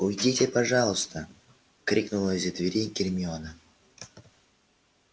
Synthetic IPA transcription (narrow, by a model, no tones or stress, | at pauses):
ʊjdʲitʲɪpɐʐɑlˠʊst̪ə | kɾʲiknʊlˠəzʲɪt̪vʲɪɾʲenʲkʲɪrʲmʲɪonə